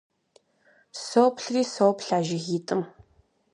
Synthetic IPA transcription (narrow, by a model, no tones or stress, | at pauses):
soːpʰɬriːsoːpɬaːʒɪɣiːtʼɨm